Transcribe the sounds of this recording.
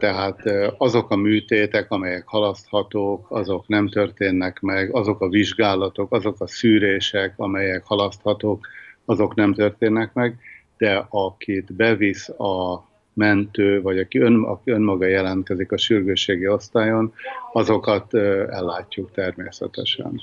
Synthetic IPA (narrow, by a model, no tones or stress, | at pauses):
t̪ɛɦaːt̪ɒzo̞kɒmyːt̪eːt̪ɛkɒmɛjɛkhɒlɒst̪hɒt̪oːkɒzo̞knɛmt̪ørt̪eːnːɛkmɛɡɒzo̞kɒviʒɡaːlɒt̪o̞kɒzo̞kɒsyːɾeːʃɛkɒmɛjɛkhɒlɒst̪hɒt̪oːkɒzo̞knɛmt̪ø̞rt̪eːnːɛkmɛɡ | d̪̥ɛɒkʰit̪bɛvisɒ | mɛnt̪øːvɒɟɒkiønɒ̰kiø̞nmɒɡɒjɛlɛnt̪̚kɛzikɒʃyrɡøːʃeːɡio̞st̪aːjo̞nɒzo̞kɒt̪ɛ̰lːaːcːukt̪ɛrmeːsɛ̰t̪ɛ̰ʃɛ̰n